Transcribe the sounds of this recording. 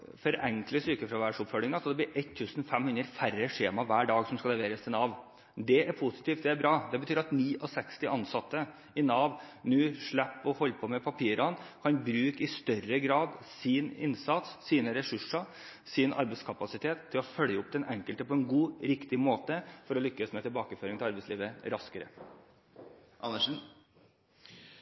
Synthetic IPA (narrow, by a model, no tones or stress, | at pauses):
fɔɾɛŋkləsyːkəfɾɑʋæɖʂʊpfɔlːɪŋɑsɔd̪ɛb̪lɪːɾʔɛt̪ʰːʉːsnfɛmhʉnd̪ɾəfæɾəʂeːmɑʋæːɖɑːɡsɔmskɑlɛʋeːɾəst̪ʰɪnɑʋ | d̪ɛʔæɾpʰʊsɪ̥t̪iːft̪d̪ɛæɾbɾɑːd̪ɛbət̪ʰyːɾɑt̪niːʔɔsɛkst̪ɪʔɑnsɑt̪ːə | ɪnɑːʋnʉːʂɭæpːɔhɔlːpʰɔmɛpʰɑpʰiːɾɑnkʰɑnbɾʉːkɪst̪œrəɡɾɑːd̪sɪnɪ̰nsɑt̪sːiːnəɾɛsʉʂɑ | sɪnʔɑ̰ɾbɛɪskʰɑpɑsɪt̪ʰeːt̪ʰːɪlɔfœljəʊp̚ːd̪ɛnɛŋkəlt̪əpʰɔɛnɡuːɾɪkt̪ɪmoːt̪əfɔɾɔlʏkːəsmɛt̪ʰɪlbɑːkəføːɾɪŋt̪ɪɑɾbɛɪsliːʋəɾɑskəɾə̰ | ʔɑ̰nːəʂn̩